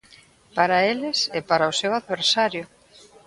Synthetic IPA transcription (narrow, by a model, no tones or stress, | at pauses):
paɾaelɪsɛpaɾaʊsewaðβeɾsaɾjʊ